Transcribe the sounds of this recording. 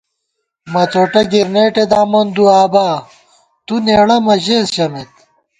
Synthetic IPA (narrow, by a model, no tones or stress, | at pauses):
mɐt͡soːʈɐɡiɾneːʈed̪aːmɐnd̪uaːbaː | t̪uneːɽɐmɐʑesɕɐmet̪